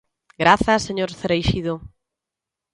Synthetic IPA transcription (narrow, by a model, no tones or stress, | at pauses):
ɡɾaθɐseɲoɾθeɾejʃiðo